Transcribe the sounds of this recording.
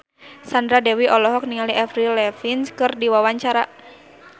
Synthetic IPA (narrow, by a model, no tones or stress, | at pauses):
sandɾadɛwiʔɔlɔɦɔk̚niŋaliʔɛfɾilɛfinskɨrdiwawaɲt͡ʃaɾa